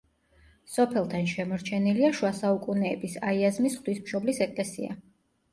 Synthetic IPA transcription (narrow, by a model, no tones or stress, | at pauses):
sɔpʰɛlˠt̪ʰanʃɛmɔɾt͡ʃʰɛniliaʃuwasaukʼunɛːbisaiazmisχd̪wismʃɔblisɛkʼlɛsia̰